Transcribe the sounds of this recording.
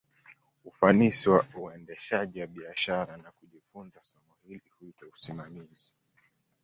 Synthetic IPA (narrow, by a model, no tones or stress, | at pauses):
ufanisiwauɛndɛʃaʄiwaɓiaʃaɾanakuʄifunzasɔmɔhilihuitɔusimamizi